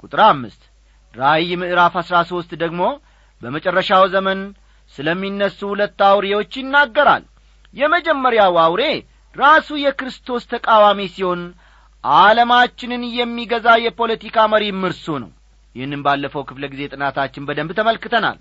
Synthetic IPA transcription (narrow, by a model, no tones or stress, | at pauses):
kʼut̪ʼɨɾamːɨ̰st̪ | ɾajːmɨʔɨɾafasɾaso̞st̪d̪əɡmo̞ | bəmət͡ʃʼərːəʃawzəmən | sɨləmːinːəsːuhulət̪ːawɾe̞wo̞t͡ʃːjɪnːaɡːəɾa̰l | jɛməd͡ʒɛmːəɾjawawɾe̞ | ɾasujɛkɾɨst̪ʰo̞st̪ʰəkʼawamisiho̞n | ʔaləmat͡ʃːɪnɨnjɛmːiɡəzajɛpʰo̞lət̪ikʰaməɾimɨɾsunə̰w | jɪhnːɨmbalːəfəwkʰɨfləɡize̞t̪ʼɨnat̪ʰat͡ʃːɪnbəd̪əmbt̪ʰəməlkɨt̪ʰəna̰l